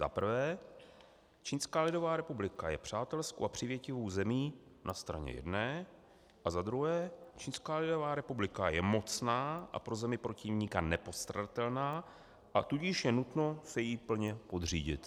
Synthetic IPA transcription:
za̰pr̩vɛː | t͡ʃiːnskaːlɪdo̞vaːɾɛpublɪkajɛpr̝̥aːt̪ɛlsko̰wapr̝̥ɪvjɛcɪvowzɛmiːnʔast̪ɾa̰ɲɛ̰jɛ̰dnɛː | ʔazad̪ɾuɦɛːt͡ʃiːnskaːlɪdo̞vaːɾɛpublɪkajɛmo̞t͡snaːʔa̰pɾo̞zɛmɪpɾo̞cɪvɲiːkanɛpo̞st̪ɾadat̪ɛlnaː | ʔat̪uɟɪʃjɛnut̪no̞sɛjiːpl̩ɲɛpo̞d̪rḭːɟɪ̰t̪

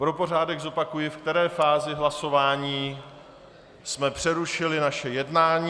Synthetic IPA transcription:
pɾo̞po̞raːdɛɡzopakujɪfkt̪ɛɾɛːfaːzɪɦlaso̞vaːɲiː | smɛpr̝̥ɛɾuʃɪlɪnaʃɛjɛdnaːɲiː

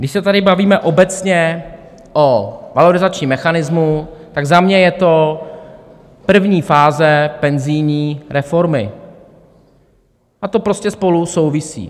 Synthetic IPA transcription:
ɡdɪʃsɛt̪adɪbaviːmɛʔo̞bɛt͡sɲɛ | ʔovaloɾɪzat͡ʃɲimːɛxanɪzmut̪aɡzamɲɛjɛt̪o̞ | pr̩vɲiːfaːzɛpɛnzɪjɲiːɾʔɛfo̞ɾmɪ̰ | ʔat̪o̞pɾo̞scɛspo̞luso̞wvɪsḭː

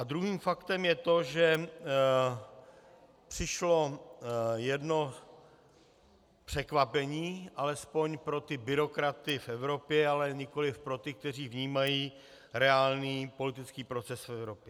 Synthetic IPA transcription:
ʔad̪ɾuɦiːmfakt̪ɛmjɛt̪o̞ʒɛ | pr̥ɪʃlo̞ | jɛdno̞ | pr̝̥ɛkvapɛɲiːʔalɛspo̞ɲpɾo̞t̪ɪbɪɾo̞kɾat̪ɪfʔɛvɾo̞pjɛalɛɲɪkolɪfpɾo̞t̪ɪk̚t̪ɛr̝iːvɲiːmajiː | ɾɛaːlniːpo̞lɪt̪ɪt͡skiːpɾo̞t͡sɛsfɛvɾo̞pjɛ

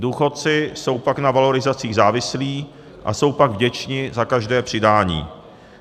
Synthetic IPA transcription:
duːxo̞t̪̚t͡sɪso̞wpaknavalo̞ɾɪzat͡siːɣzaːvɪsliː | ʔa̰so̞wpaɡvɟɛt͡ʃɲɪzakaʒdɛːpr̥ɪdaːɲḭː

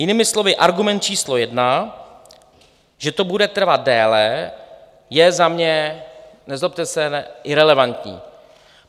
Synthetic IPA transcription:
jɪnɪːmɪslovɪʔaɾɡumɛnt̪̚t͡ʃiːslojɛdna | ʒɛt̪obudɛt̪r̩vat̪̚dɛːlɛ | jɛzamɲɛ | nɛzop̚t̪ɛsɛnɪɾɛlɛvant̪ɲḭː

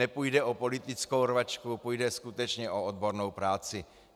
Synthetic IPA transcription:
ɛpujdɛʔopo̞lɪt̪ɪt͡skowrvat͡ʃkupujdɛskut̪ɛt͡ʃɲɛʔood̪̚bo̞ɾnowpɾaːt͡sɪ

